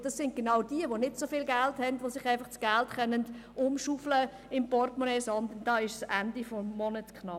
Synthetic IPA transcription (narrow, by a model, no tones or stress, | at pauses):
d̥ɑsːɪnt̚ɡ̥enɑwd̥iəʋonɪtsofiːlɡælthɛndʋosɪχæɪfɑχtsɡ̥æltχœnənd | ʊmʃuflə | ɪmpɔrtmonɛːsɑndʊndɑːɪʃsʔæ̰ndifɔːɔnətkʰnɑ